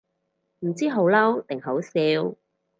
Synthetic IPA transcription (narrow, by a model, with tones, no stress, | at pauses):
m̩˨˩t͡siː˥ɦo˨˧˥wlɐ˥wt̪ɪ˨ŋɦo˨˥wsiː˨˥w